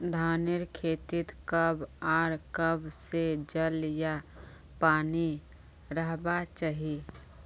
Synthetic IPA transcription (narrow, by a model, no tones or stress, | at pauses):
d̪ʱaːnɪɾkʰeːt̪ɪt̪kəbaːɾkəbsed͡ʒəlja | paːni | ɾəɦbat͡ʃaɦi